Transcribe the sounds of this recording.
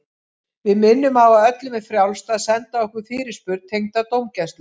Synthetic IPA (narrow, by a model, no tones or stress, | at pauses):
vɪðmɪnːʏmawaðœt̪lʏmɛðfɾjawlst̪aðsɛnt̪aɔhkʏɾ̥fɪːɾɪ̥spʏɾt̪t̪ʰːejŋt̪at̪owmcɛst̪lʏ